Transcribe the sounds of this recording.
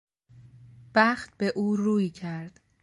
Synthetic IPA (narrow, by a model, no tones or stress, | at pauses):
b̥æxt̪̚beʔuːruːjcʰæɾd̪̥